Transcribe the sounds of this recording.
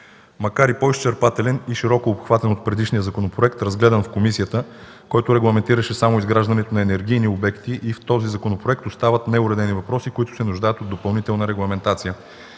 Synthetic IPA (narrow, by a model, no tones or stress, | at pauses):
mɐkaɾipoist͡ʃɛɾpat̪ɛlɛniʃiɾɔkoːpxvat̪ɛnot̪̚pɾɛd̪iʃnijəzɐkonopɾoɛkt̪ɾɐzɡlɛd̪ɐnfkomisijət̪ə | kɔjt̪ʊɾɛɡlˠɐmɛnt̪iɾəʃɛsamoizɡɾaʒd̪ɐnɛt̪onɐɛnɛɾɡ̟ijniobɛkt̪iʔift̪ɔzizɐkonopɾoɛk̚t̪ost̪avət̪nɛʊɾɛd̪ɛnivɐpɾɔsikʊit̪ʊ̥sɛnuʒd̪ajət̪od̪opɐlˠnit̪ɛlˠnəɾɛɡlˠɐmɛnt̪at̪sijə